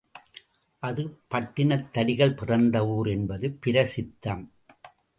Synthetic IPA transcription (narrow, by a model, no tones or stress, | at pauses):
ʔɐðɯpɐʈːɪnɐt̪ːɐɽɪɣɐɭpɪrɐnd̪ɐʋuːɾɛnbɐðɯpɪɾɐsɪt̪ːɐm